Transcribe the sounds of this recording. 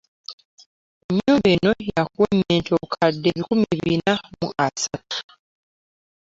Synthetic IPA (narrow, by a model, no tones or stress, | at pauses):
eɲːuːmbeːno̞jakumeːntʰokʰadːeβikumiβinamṵʔasatu̥